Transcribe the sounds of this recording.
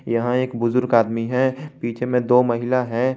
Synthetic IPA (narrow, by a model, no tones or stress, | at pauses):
jɐɦãeːkbʊzʊɾɡaːd̪miɦɛpiːt͡ʃʰemẽd̪oːmɐɦɪlaɦɛ̃ː